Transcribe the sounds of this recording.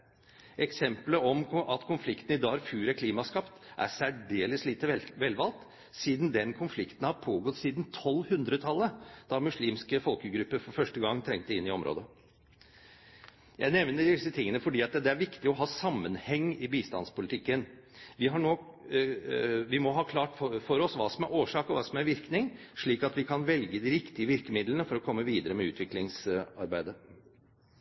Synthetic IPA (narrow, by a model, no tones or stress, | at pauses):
ʔɛksɛmpləɔmʔɑt̪kʰʊnflɪkt̪n̩ɪd̪ɑːɾfʉːɾækʰliːmɑskɑpt̪ʔæ̰sæɖeːlɪsliːt̪əʋɛlʋɑlt̪ | siːd̪n̩d̪ɛnkʰʊnflɪkt̪n̩hɑɾpʰoːɡɔt̪siːd̪nt̪ʰɔlːhʉnd̪ɾət̪ʰɑlːəd̪̥ɑmʉʂliːmskəfɔlkəɡɾʉpːəɾfɔɾfœʂʈəɡɑŋːt̪ʰɾɛŋt̪əɪnːɪɔmɾo̰ːd̪ə | jæ̰ɪnɛʋnəɖɖ̪ɪsːət̪ʰɪŋːənəfɔɖiːɑt̪d̪ɛæɾʋɪkt̪ɪɔɦɑːsɑmːənhɛŋːɪbiːst̪ɑ̰nspʊlɪt̪ʰɪkːən | ʋɪɦɑɳoː | ʋɪmɔɦɑːkʰlɑːʈfɔɾɔsʋɑːsɔmæɾʔoːʂɑːkɔʋɑːsɔmæɾʋɪɾknɪŋʂɭiːkɑt̪ʋɪkʰɑnʋɛlɡəd̪ɪɾɪkt̪ɪəʋɪɾkəmɪd̪lənəfɔɾɔkʰɔmːəʋiːd̪əɾəmɛʉ̰ːt̪ʰʋɪklɪŋsɑ̰ɾbæɪd̪ə